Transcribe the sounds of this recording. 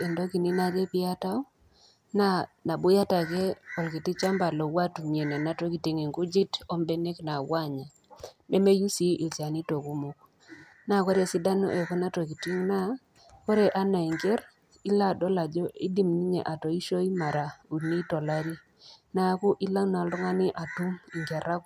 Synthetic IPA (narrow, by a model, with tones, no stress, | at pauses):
e˨ndo˦ki˨ni˦na˨ɾe˦pɪ˦a˦ta˦u˦ | na˦na˨bʊ˦ja˦ta˨kɛ˦ɔ˨lki˨ti˦t͡ʃa˦mba˨lɔ˨wa˦tu˨mje˨nɛ˨na˨˦tɔ˦ki˨ti˨˦ŋe˨ŋɡu˦d͡ʒi˦tɔ˦mbɛ˦ne˦kna˨wa˦ɲa˨ | me˦me˦ju˦si˦ʔi˨t͡ʃa˨ni˦to˨ku˦mu˦k̚ | na˦kɔ˦ɾe˨si˦da˦nɔ̰˦ʔɛ˨kɔ˦na˦tɔ˨ki˨ti˦ŋna˦ | kɔ˦ɾe˨ʔa˦na˨i˨ŋɡe˦ɾ | i˦la˦dɔ˦la˨d͡ʒɔ˦i˦di˦mni˦ɲɛ̰˨ʔa˨tɔ˨i˦ʃo˦i˦ma˨ɾa˨u˨ni˦tɔ˨la˦ɾi˦ | na˨˦ku˦ʔi˦la˦na˨˦lɔ˦ŋa˦nɪ˦ʔa˨tu˦mi˨ŋɡɛ˨ɾa˦k